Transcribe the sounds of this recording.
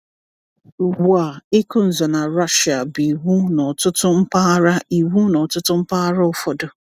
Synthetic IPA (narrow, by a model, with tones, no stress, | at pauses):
ɡu˨a˨ɪ˦kʊ˦n̩˨zɔ˨na˨ɾa˦ʃi˨a˨bi˨wu˦nɔ˨tʊ˦tʊ˦m̩˦pa˦ɾa˦i˨wu˦nɔ˨tʊ˦tʊ˦m̩˦pa˦ɾa˦ɔ˦fɔ˦dʊ˨